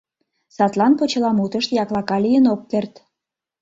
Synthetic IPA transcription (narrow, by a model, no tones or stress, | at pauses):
sɑt̪lɑnpot͡ɕə̆lɑmut̪əʃt̪jɑklɑkɑlijənokːert̪